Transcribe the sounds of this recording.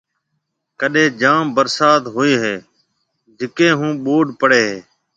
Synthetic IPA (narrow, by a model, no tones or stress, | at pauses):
kəɗẽːd͡ʒaːmbəɾsaːt̪ɦoːeːɦeː | d͡ʒɪkẽːɦũːɓoːɖpəɽeːɦeː